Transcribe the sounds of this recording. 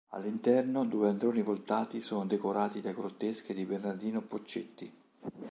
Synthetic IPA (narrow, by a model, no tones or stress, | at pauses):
a̰lːint̪ɛrnod̪uːeand̪ɾoːnivolt̪aːt̪isoːnod̪ekoɾaːt̪id̪ajɡɾot̪ːesk̟ed̪ibernard̪iːnopot͡ʃːet̪ːi